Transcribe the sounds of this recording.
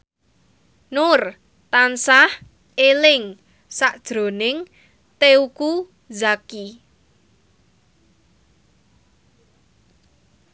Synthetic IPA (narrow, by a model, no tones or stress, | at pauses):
nʊr | t̪ansah | elɪŋ | saʔd̥ʒ̥ɾo̤nɪŋ | t̪euku | zaki